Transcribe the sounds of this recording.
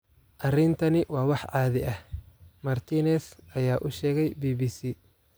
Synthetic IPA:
ʔɐrɪnt̪ʰɐnɪwɑːwɑħʕɑːðɪʔɐhmɐrt̪ʰiːnɛsɐjaːʔʊʃɛːɣɛjbiːbiːsiː

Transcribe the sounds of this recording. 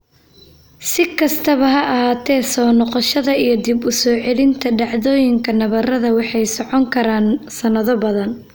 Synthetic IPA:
sɪkʰɐst̪ʰɐβɐɦɐʔɐhaːt̪ʰɛːsɔːnɔqɔʃɐðɐijɞd̪ibʊsɔːʕɛlɪnt̪ʰɐɖɑʕðɔːjɪŋkʰɐnɐβɐrɐðɐwɑħɑjsɔʕɔŋkʰɐɾaːnsɐnɐðɔbɐðɐn

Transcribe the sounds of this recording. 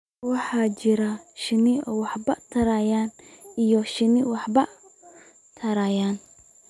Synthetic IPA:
wɑħɑːt͡ʃɪɾɐʃɪnɪɔːwɑħbɐt̪ʰɐɾajaːnijɔʃɪnɪwɑħbɐ | t̪ʰɐɾajaːn

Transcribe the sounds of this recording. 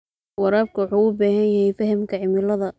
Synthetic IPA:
wɑɾaːb̚kʰɐwʊħuːʊbaːɦɐnjɐɦhɛjfɐɦɐmkʰɐʕɪmɪlɐðɐ

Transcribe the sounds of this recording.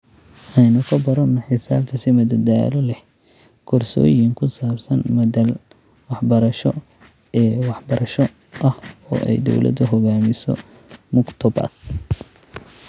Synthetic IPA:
ʔɛjnʊkʰɐbɐɾɐnːɐħɪsaːb̚t̪ʰɐsɪmɐd̪ɐd̪aːlɔlɛh | kʰɔrsɔ̰ːjɪŋkʰʊsaːbsɐnmɐdɐl | wɑħbɐɾɐʃɔ | ɛːwɑħbɐɾɐʃɔ | ʔɐhɔ̰ːʔɛ̰jd̪ɔ̰wlʔɐ̰d̪ɐɦɔɣaːmɪsɔ̰mʊkt̪ʰɔba̰d̪

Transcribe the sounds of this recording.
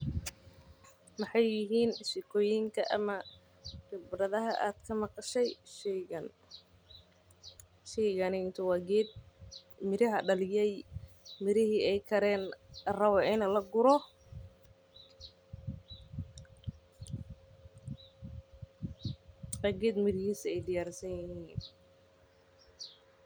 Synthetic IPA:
mɐħɑjːɪɦiːnʃɪkʰɔːjɪŋkʰɐʔɐmɐ | ɡɐbrɐðɐɦɐʔaːd̪̥kʰɐmɐqɑʃɛjʃɐn | ʃɛjɣɐnɪɪnt̪ʰʊwɑːɡɛːd̪̚ | mɪɾɐɦɐɖɐlɪjɛjmɪɾɪhiːɛjkʰɐɾɛːnrɐwɛʔɪnɐlɐɡʊɾɔ | wɑːɡɛːd̪mɪɾɪhiːsɛjd̪ɪjaːɾsɐɲjɪhːiːn

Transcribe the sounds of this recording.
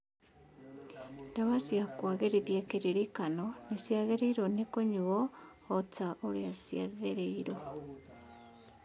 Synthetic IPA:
ndaβasjakwaɣeɾeðjakeɾiɾikanɔnesjaɣeɾeiɾonekoɲuɔː | taʔoɾeasjaðeɾeiɾo

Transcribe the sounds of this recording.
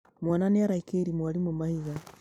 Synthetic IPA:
mwananeaɾaikeɾimwaɾimomahiɣa

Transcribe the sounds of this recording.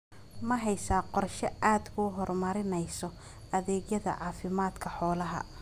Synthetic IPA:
mɐɦɛjsaːqɔrʃɐʔaːd̪kʰʊɦɔrmɐɾɪnɛjsɔ | ɐðɛːɡjɐðɐ̰ʕɑːfɪmaːd̪kʰɐħɔːlɐɦɐ̰

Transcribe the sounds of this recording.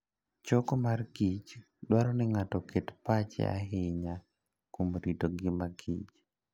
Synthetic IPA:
t͡ʃɔkomarɡit͡ʃ | dwaɾɔnɪŋatɔketpat͡ʃɛ̰a̰ɦɪɲa | komɾidoɡɪmaɡit͡ʃ

